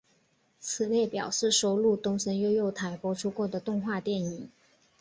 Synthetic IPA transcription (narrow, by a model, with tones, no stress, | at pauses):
t͡sʰɹ̩˨˩le˥˩ɪpjɑ˨˩ʊʂɻ̩˥˩ʂo˧˥ʊlu˥˩t̪ʊ˥ŋʂə˧˥njo˥˧ʊjo˥˩ʊt̪ʰa˧˥ɪpwɔ˥ʈ͡ʂʰu˥kwɔ˥˩d̪ə˩t̪ʊ˥˧ŋxwa˥˧t̪jɛ˥˩ni˨˩˦ŋ